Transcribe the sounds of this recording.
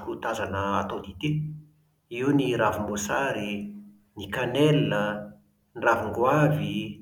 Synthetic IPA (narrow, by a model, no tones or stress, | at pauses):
kut̪azanəat̪od̪it̪i | iwniɾavumosaɾi | nikanelnə | nravuŋɡwavi